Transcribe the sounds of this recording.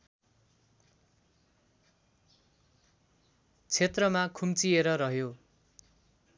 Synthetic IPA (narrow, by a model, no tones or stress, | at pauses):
t͡sʰet̪rʌmakʰumt͡sieɾʌɾʌɦjo